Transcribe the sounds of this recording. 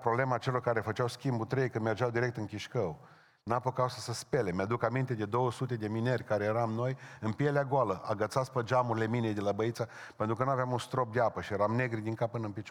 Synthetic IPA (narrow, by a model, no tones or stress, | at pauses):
pɾo̞ble̞maːt͡ʃe̞lo̞rkaɾe̞fət͡ʃawskʲimbut̪ɾejkɨnme̞rd͡ʒawd̪iɾe̞k̚t̪ɨŋkʲiʃkəw | napəkawsəsəspe̞le̞mead̪ukamint̪e̞d̪e̞d̪o̞wəsut̪̬e̞d̪e̞minerʲkaɾejeɾamno̞jɨnpjeleaɡoaləʔa̰ɡət̪sat̪spəd͡ʒamuɾile̞minejd̪e̞labəit̪sape̞nt̪ɾukənuavjamunst̪ɾo̞p̚d̪eapəʃijeɾamne̞ɡɾid̪iŋkapːɨnəɨnpit͡ʃ